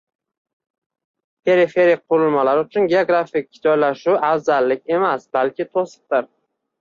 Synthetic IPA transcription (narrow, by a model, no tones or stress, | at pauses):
pʰe̞ɾɪfe̞ɾɪqʰʊɾɪlmalaɾʊt͡ʃʰʊnɡʲe̞oɡɾafɪk̚ʲːd͡ʒɒjlaʃʊafzalːɪkʲe̞masb̥alkʲʰɪt̪ʰosɨ̥q̚t̪ɪɾ